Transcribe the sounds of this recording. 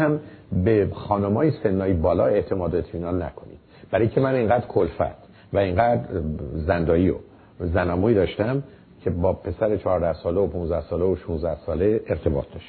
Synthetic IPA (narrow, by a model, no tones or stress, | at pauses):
æmbexɒːnomɒːjese̞nːɒːjibɒːlɒ̰ːe̞ʔt̪ʰe̞mɒːd̪oet̪ʰmiːnɒːnːæ̰kʰo̞nḭd̥̪b̥æɾɒːjicʰemæneŋɡæːd̪ɾkʰolfæ̰t̪ʰ | væeŋɡæd̪ɾzænd̪ɒːiːo̰ | zænɒːmuːid̪ɒːʃt̪æm | cʰe̞bɒːpʰe̞sæɾet͡ʃʰɒːɾd̪æhsɒːleopʰunzd̪æhsɒːleoʃunzd̪æhsɒːleeɾt̪ʰe̞bɒ̰ːt̪̚ʰd̪ɒʃt̪